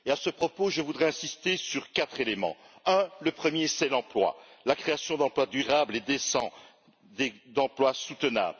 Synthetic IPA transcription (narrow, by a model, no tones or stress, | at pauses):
easəpχɔpoʒəvud̪ʁɛɛ̃sist̪esyʁkat̪χelemɑ̰̃ | ə̃ləpχəmjesɛlɑ̃plwa̰lakχeasjɔ̃d̪ɑ̃plwad̪yʁabled̪esɑ̰̃ | d̪ed̪ɑ̃plwasut̪əna̰bl